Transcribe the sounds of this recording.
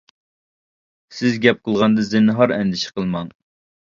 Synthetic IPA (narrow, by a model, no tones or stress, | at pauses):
sɪzɡʲɛp̚qʰəlˠʁɑnd̪ɨzɪnɦɑɾɛ̰nd̪ɪʃɪ̥qəlˠmɑŋ